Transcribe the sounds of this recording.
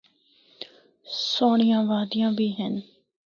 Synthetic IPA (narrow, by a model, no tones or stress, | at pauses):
soːɳ̃ɪjãːʋaːd̪ɪjãːbʱiːɦɛn